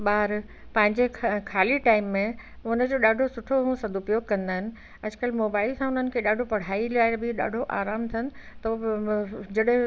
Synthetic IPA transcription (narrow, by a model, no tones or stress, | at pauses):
ɓaːɾ | pɐ̃ɦɪ̃ɲd͡ʑekʰaːliʈaːɪmːẽ | ʊnə̆d͡ʑoːɗaːɖʱosʊʈʰoɦũsɐd̪ʊpjoːɡ̚kɐ̃nd̪aːɦɪnɪ̆ | ɐd͡ʑkəlmoːbaːɪlsãʊn̤ənɪ̆kʰeɗaːɖʱopɐɽ̤aːilaːɪbɪɗa̰ːɖʱoʔa̰ːɾaːmt̪ʰɐnɪ̆t̪ɐ | d͡ʑɐɗɦɪ̃